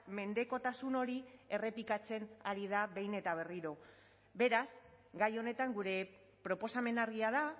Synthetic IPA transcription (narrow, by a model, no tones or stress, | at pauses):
me̞nd̪e̞ko̞t̪asuno̞ɾie̞re̞pikat͡se̞naɾið̞aβe̞jne̞t̪aβ̞e̞riɾo̞ | be̞ɾaz | ɡajo̞ne̞t̪aŋɡuɾe̞ | pɾo̞po̞same̞naɾɣiaða